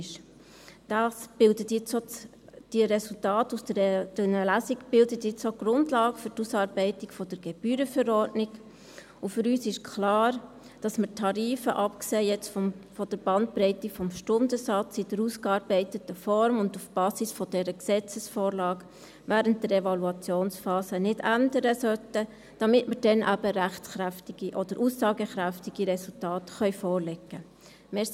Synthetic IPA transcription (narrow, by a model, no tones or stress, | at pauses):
ʃ | d̥ɑsb̥ɪldətjɪt͡sɔ | d̥iəɾɛsultɑːtusd̥ədnəlæsiɡb̥ɪldətjɪt͡soɡ̥ɾʊndlɑːɡəfʏɾtusɑːɾb̥ɛɪtɪkfɔd̥əɾɡ̥ɛb̥yːɾəfəɾɔɾdnɪɡ | ufʏɾyːsɪʃkʰlɑːɾ | d̥ɑsmətʰɑɾiːfəʔɑpkseːjɛt͡sffɔd̥əɾb̥ɑnt̚bɾɛɪtɪkfɔmʃtʊndəsɑt͡sɪd̥əɾuːskɑːɾbɛɪtətəfɔɾmʊndufb̥ɑːsɪsfɔd̥ɛɾəksɛt͡səsfoːɾlɑːɡ | ʋæːɾənt̚dəɾɛvɑluɑt͡sjoːnsfɑːsənɪdændəɾəsœtə | d̥ɑmɪtməɾd̥ɛnʔæbəɾæχtχɾæftɪɡ̥iʔɔd̥əɾʔusːɑːɡəχɾæftiɡ̥iɾɛsultɑːtχœʏfɔːɾlɛɡːə | mɪ